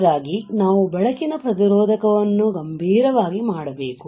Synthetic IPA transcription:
ɾaːɡinaːʋubɛɭɐkinɐpɾɐt̪̬iɾɔːd̪ʱɐkɐʋɐnːuɡɐmbʱiːɾɐʋaːɡimaːɽɐbeːku

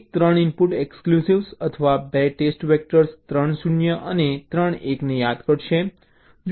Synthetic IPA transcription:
k̚t̪ɾəɳ̃impuʈeksklusiʋsət̪ʰəʋabeʈesʈʋek̚ʈəɾst̪ɾəɳsunjəʔənet̪ɾəɳeknejad̪kəɽʃe | d͡ʒ

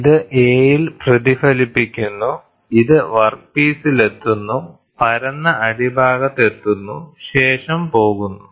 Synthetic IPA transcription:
iðɨʔeːjilprɐd̪ifɐlipːikʲːunːu | iðɨʋɐrpiːsile̞t̪ːunːu | pɐɾɐnːɐʔɐɽibʱaːɣɐt̪ːe̞t̪ːunːuɕe̞ːʂɐmpo̞ːɣunːu

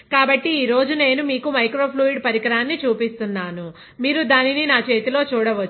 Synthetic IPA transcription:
kaːbɐʈːiːɾo̞ːd͡ʒune̞ːnumiːkumɐjkɾo̞ːpʰluːiɖpɐɾikɐɾaːnːit͡ʃuːpist̪unːaːnu | miːɾud̪aːnininaːt͡ʃe̞ːt̪ilo̞ːt͡ʃuːɽɐʋɐt͡ʃː

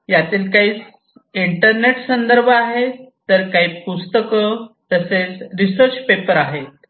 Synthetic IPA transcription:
jat̪iːlkaɦiːt͡s | iɳʈəɾneʈsənd̪əɾbʱaɦet̪ːəɾkaɦiːpust̪əkət̪əset͡sɾisəɾt͡ɕpepəɾaɦet̪̚

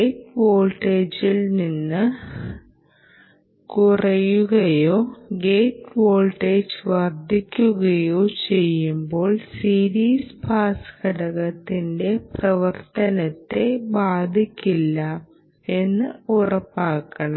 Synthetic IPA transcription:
ejʈʋoːlʈeːd͡ʑilninːɨ | kurɐjuɣɐjoːɡe̞ːʈʋo̞ːɭʈeːd͡ʑʋɐrd̪ʱikʲːuɣɐjoːt͡ɕe̞jːumbo̞ːɭsiːɾiːspaːskɐɽɐɣɐt̪ːinde̞prɐʋɐrt̪ɐnɐt̪ːe̞baːd̪ʱikʲːilːɐa | e̞nːɨurɐpːaːkːɐɳɐm

